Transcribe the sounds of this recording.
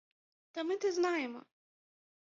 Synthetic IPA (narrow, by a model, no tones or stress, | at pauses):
t̪ɐmɪt̪ɛznɑjɛmɔ̰